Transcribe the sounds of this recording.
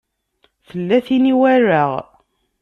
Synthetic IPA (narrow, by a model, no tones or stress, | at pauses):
θəlːæθiniwærːaʁ